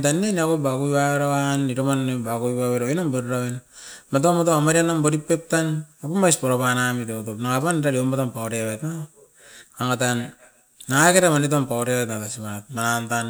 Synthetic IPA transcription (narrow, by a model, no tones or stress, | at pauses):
tanːenakobakujwaweɾaaniɾomanbakujwaβeɾoinamboɾɾainmatomatoamaɾianamboɾipːep̚tanapamaspoɾapanamitotopnaŋapanɾaɾiomatompaoɾeβeta | aŋatanː | aŋaketamanit̬ompaoɾewetnatasimat̚manantan